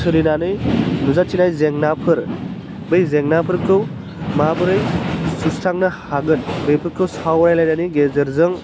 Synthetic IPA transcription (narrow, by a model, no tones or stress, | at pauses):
sʰɯɾinanɯjnuzatʰinajzeŋnapʰɯɾ | bɯjzeŋnapʰɯɾkʰɯw | mabɯɾɯjsusɾaŋnɐhaɡɯnbɯjpʰɯɾkʰɯwsawɾajlajnaniɡezɯɾzɯŋ